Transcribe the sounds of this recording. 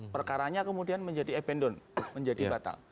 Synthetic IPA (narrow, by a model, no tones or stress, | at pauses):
pərkaɾaɲakəmudianməɲd͡ʒadiɛpɛndɔnməɲd͡ʒadibat̪a̰ŋ